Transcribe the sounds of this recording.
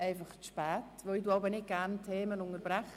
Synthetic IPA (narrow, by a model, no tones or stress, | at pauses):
ejfɔχʃpaːtʰvɛduawbɛnɪɡ̥antʰeːmənʊŋərbɾaχ